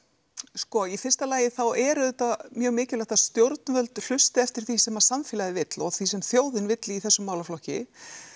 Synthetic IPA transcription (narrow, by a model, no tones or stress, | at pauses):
skɔifɪr̥st̪alaːjɪθawɛɾʏðɛt̪amjœːɣmɪːcɪlɛht̪ast̪jowɾt̪̚nvœlt̪l̥ʏst̪ɪɛft̪ɪɾ̥θisɛmaɾ̥samfɪlaɣðɪvɪt̪lɔɣθvisɛmθjoːwðɪnvɪt̪lɪiθɛsːʏmaːwlaflɔhcɪ̰